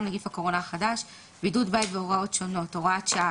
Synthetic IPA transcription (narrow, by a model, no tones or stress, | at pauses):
mnaɡifhakoʁo̞naaχadaʃ | bidudbajtveoʁao̞tʃo̞no̞to̞ʁaatʃaa